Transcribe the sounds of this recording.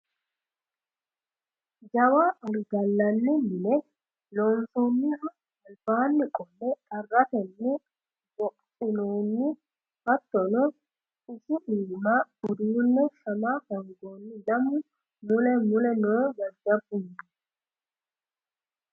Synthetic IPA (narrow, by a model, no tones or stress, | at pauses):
d͡ʒɐwaːʔɐlɡɐlːɐnːɪmɪnɛ | loːnfɔnːɪrɐ | ɐlbaːnːɪkʼɔnːɛt̪ʼɐrːɐt̪ɛnːɪ | bɔkʼt͡ʃʼɪnoːnːɪ | hɐt̪ːɔnɔ | ɪsɪᶑiːmaːʊd̪uːnːɛʃɐmahɐŋɡo̞ːnːɪdɐmʊ | mʊlɛmʊlɛnoːd͡ʒɐlɡɐbʊn